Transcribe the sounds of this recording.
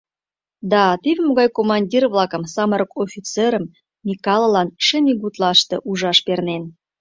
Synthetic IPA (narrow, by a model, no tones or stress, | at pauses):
d̪ɑt̪ivʲmoɣɑjkomɑnʲdʲirvlˠɑkə̆msɑməɾəkofʲit͡seɾəmːʲ | ikɑlˠlɑnʃenʲiɣut̪lɑʃt̪ɤ̰̆ʔuʒɑʃpernen